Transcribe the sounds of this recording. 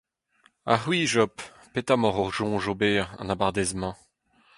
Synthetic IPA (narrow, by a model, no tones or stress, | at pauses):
a̰χwiːʒɔpː | et̪amɔʁɔʁʒɔ̃ʒobeːʁɑ̰̃nabaʁd̪ɛzmɑ̃